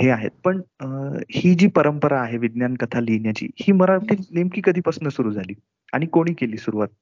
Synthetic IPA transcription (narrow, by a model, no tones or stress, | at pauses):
ɦeaɦḛt̪̚pəɳ | hiːd͡ʑiːpəɾəmpəɾaːɦeʋid̪njankət̪ʰalinjat͡ɕḭːhiːməɾaʈ̪ʰiːlnemkiːkəd̪ʱiːpəsnəsuɾuːd͡zʱaliː | a̰ɽ̃ikoɽ̃iːkeliːsuɾuʋat̪̚